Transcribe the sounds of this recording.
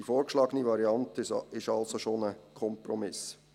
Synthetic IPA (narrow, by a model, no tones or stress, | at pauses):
ifoːɾkʃlɑːɡəniʋɑɾiɑntɪʃɑlsoʃonəkʰɔmprɔmɪs